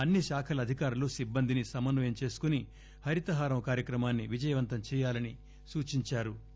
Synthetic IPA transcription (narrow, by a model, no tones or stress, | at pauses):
ɐnːiʃaːkʰɐlɐd̪ʱikaːɾulusibːɐnd̪inisɐmɐnʋɐjɐmt͡ʃe̞ːsu̥kuni | hɐɾit̪ɐɦaːɾɐmɐkaːɾjɐkɾɐmaːnːiʋid͡ʒɐjɐʋɐnt̪ɐmt͡ʃɛːjaːlɐni | suːt͡ʃiɲt͡ʃaːɾu